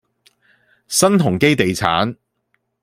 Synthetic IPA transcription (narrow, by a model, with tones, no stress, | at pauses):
sɐ˥nt̪ʰʊ˨˩ŋke˥jt̪e˨jt͡sʰa̰ː˨˥n